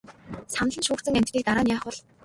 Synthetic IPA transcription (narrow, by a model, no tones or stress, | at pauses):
san̆ɮə̆nʃuːkt͡sə̆ŋæmʲt̪ɡʲiːk̚t̪aɾaːnjaːχʊ̆ɮ